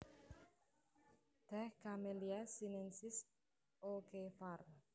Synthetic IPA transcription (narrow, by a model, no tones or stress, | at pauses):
d̪̥ɛhkameliasinɛnsɪs | okefar